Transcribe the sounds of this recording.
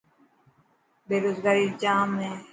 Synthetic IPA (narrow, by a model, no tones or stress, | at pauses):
beːɾoːzɡaːɾiːd͡ʒãːmẽː